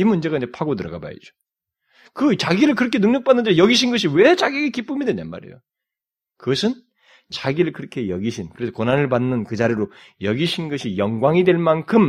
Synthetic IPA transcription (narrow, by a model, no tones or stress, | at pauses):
imund͡ʑe̞ɡaind͡ʑepʰaɡotɯɾʌ̰ɡa̰ba̰jḭd͡ʑo̥ | kɯt͡ɕaɡiɾɯɭk̬ɯɾʌkʰe̞nɯŋɲʌk̚p͈anːɯnd͡ʑejʌɡiɕ̬ʰinɡʌɕ̬ʰiwet͡ɕaɡieɡekip͈ɯmidenenmːa̰ɾḛjo | kɯɡʌsʰɯn | t͡ɕaɡiɾɯɭkɯɾʌkʰe̞jʌɡiɕʰinkɯɾesʰokonɦanɯɭbanːɯnkɯd͡ʑaɾiɾojʌɡiɕʰinɡʌɕʰijʌŋɡwaŋidwe̞ɭmankʰɯm